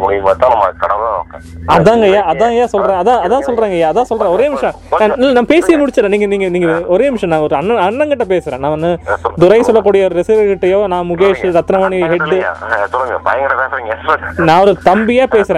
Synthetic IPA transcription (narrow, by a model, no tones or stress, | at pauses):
mʊɽɪmaːt̪ːãːnɐmːɐkɐɽɐʋlaːno̰ːkːɐ̃ɐðãːŋɡɐjaːɐðãːjaːsɔlɾẽːɐðãːɐðãːsɔlɾaːŋɡɐjaːɐðãːsɔlɾẽɡɔɾeːɪmɪʂɐ̃ | ãːnɪlːnaːɐpeːsɪjɐmʊɽɪt͡ʃːɯlɛ̃niːŋɡɐniːŋɡɐniːŋɡɐɔɾeːʋɪʂɐ̃nãːɔɾɯɐnːɐɐɳːɐŋɡɐʈːɐpeːsɯɾẽːnãːʋɐnːɯd̪ʊɾɐɪsɔlːɐk̬ːuːɽɪjɐɔɾɯɾɛsɪʋɐɾkɪʈːɐjoːnãːmʊɣeːʂɯɾɐt̪ːɪnɐmaːniɦɛɖːɯ̰t̪ʊɾɐŋɡɐpɐjɐŋɡɐɽɐpeːsɐɾiŋɡɐɛsʈɾɐkːnãːɔɾɯt̪ɐmbɪjaːpeːsɪɾẽː